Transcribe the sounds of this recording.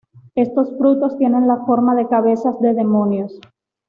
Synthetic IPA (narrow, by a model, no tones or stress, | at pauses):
e̞st̪o̞sfɾut̪o̞st̪je̞nẽ̞nlafo̞ɾmaðe̞kaβ̞e̞sazðe̞ðe̞mo̞njos